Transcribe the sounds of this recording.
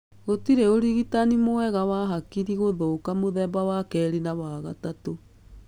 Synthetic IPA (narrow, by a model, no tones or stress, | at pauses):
ɣotiɾeoɾiɣitanimowɛɣawaɦakiɾiɣoðokamoðɛːbawakɛːɾenawaɣatato